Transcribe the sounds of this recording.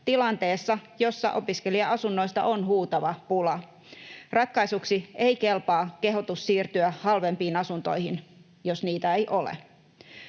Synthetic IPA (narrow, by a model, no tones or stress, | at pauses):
t̪ilɑnt̪eːsːɑjo̞sːɑ̰ʔo̞piskeliɑʔɑsunːoist̪ɑ̰ʔonhuːt̪ɑʋɑpulɑ | rɑt̪̚kɑisuksieikelpɑːke̞ɦot̪ussiːrt̪yæhɑlʋempiːnɑsunt̪o̰ihin | josniːt̪æejʔolḛ